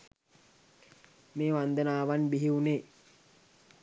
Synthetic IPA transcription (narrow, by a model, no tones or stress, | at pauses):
meːʋand̪ənaːʋanbiɦiune